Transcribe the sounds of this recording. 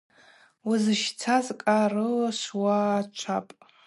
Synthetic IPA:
wazɨʃt͡sʰazkʼarɨlaʃʷwat͡ʃʷʰapʼ

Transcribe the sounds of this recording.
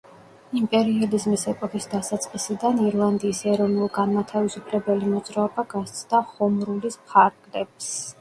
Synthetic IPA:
impʼɛɾiɔlizmisɛpʼɔkʰisd̪asat̪sʼqʼisid̪aniɾlˠand̪iːsɛɾɔvnulˠɡanmat̪ʰavisupʰlɛbɛlimɔd̪zɾaɔbaɡast̪sʰʼd̪aχɔmɾulispʰaɾɡ̥lɛps

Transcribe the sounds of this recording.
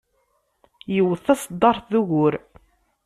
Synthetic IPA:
jəwəθɑsˤəd̪ˤːɑɾˤθðuɣʊɾ

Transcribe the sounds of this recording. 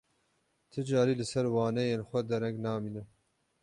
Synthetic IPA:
t̪ʰɨd͡ʒɑːɾiːlɨsɛɾwɑːnɛjeːnxʷɛd̪ɛɾɛŋknɑːmiːnɨ

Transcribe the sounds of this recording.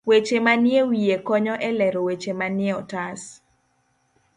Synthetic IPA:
wet͡ʃemanjewijekɔɲɔʔɛlɛɾowet͡ʃemanjeɔtas

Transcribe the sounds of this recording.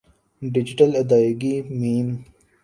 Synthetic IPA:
ɖɪd͡ʒɪʈəlɐd̪aːɡimiːn

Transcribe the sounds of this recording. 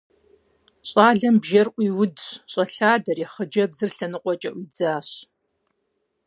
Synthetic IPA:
ɕʼaːɮɐmbʒɐrʔʷiːwʊdɕɕʼɐɬaːdɐrjɛχəd͡ʒɐbzɨrɬɐnɨqʷʼɔt͡ʃʼɐʔʷid͡zaːɕ

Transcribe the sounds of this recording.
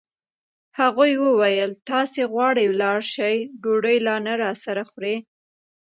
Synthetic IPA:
haɣujwəwajəlt̪ɑseɣwɑɽəjwlɑɽʃajɖoɖəjlɑnaɾɑsaɾaxɾe

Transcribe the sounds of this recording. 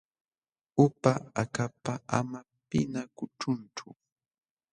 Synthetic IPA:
ʊpaakapaʔa̰ma | pɪnakʊʈ͡ʂʊnt͡ʃʊ

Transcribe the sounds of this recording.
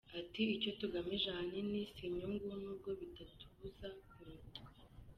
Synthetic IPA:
atiico̞tuɡamiʒahaninisiɲuŋɡunuːb̚ɡo̞βitatuβuzakuɾutke

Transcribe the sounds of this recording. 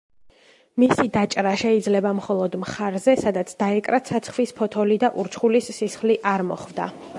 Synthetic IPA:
misid̪at͡ʃʼɾaʃɛid̪zlɛbamχɔlˠɔd̪mχaɾzɛsad̪at̪sʰd̪̥aɛkʼɾat̪sʰat̪sʰχwispʰɔt̪ʰɔlid̪aʔuɾt͡ʃʰχulisːisχliʔaɾmɔ̰χvd̪a̰

